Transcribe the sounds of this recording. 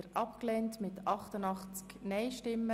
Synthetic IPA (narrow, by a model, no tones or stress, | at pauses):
əɾʔɑpklɛːntmɪtʰɑχtənɑχt͡sknɛɪʃtɪmːə